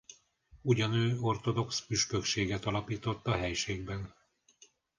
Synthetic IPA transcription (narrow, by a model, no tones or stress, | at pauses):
uɟɒnøːo̞rt̪o̞d̪o̞ksfyʃkøkʃeːɡɛt̪ɒlɒpiːt̪o̞t̪ːɒɦɛjʃeːɡ̚bɛn